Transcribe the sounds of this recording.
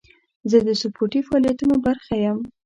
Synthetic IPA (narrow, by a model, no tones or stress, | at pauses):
zəd̪əsʊpʰoʈifaɑlijat̪unobaɾxajam